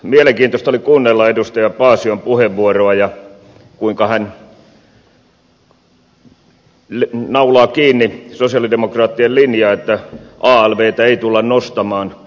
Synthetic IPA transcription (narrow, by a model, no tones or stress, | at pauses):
mieleŋkiːnt̪ost̪ɑolikuːnːelːɑedust̪ɑjɑpɑːsiompuheʋʋuoroɑjɑ | kuiŋkɑhæn | lnɑulɑːkiːnːisosiɑlidemokrɑːt̪ːiellinjɑːet̪ːæʔɑːælʋeːt̪æeit̪ulːɑnnost̪ɑmɑːn